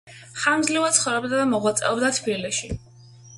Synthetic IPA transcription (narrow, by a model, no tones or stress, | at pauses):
χamzlivadt̪sχɔvɾɛbd̪ad̪amɔʁwat̪sʼɛ̰ɔbd̪at̪ʰbiliʃi